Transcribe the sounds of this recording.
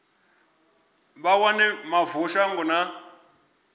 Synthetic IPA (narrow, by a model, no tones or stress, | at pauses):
βawanɛmavuʃaŋɡɔna